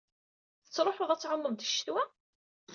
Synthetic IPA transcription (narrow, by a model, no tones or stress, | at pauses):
θət͡sːɾˤoħoðˤæt͡sːʕəmːəmd̪əʃːt̪wæ